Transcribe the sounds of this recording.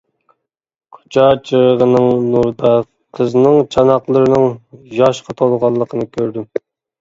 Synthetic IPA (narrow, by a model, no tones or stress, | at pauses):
qʰo̥t͡ʃʰɑt͡ʃʰəʁəʁənɨŋnuɾd̪ɑ | qʰəznɨŋt͡ʃʰɑnɑqlˠəɾɨnɨŋjɑʃqʰɑt̪ʰolˠʁɑlˠːəqʰənɨkʲʰøɾd̪ym